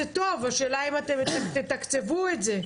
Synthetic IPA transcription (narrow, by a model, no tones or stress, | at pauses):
et̪o̞vaʃeːlaimat̪emt̪t̪et̪akt͡sevuetze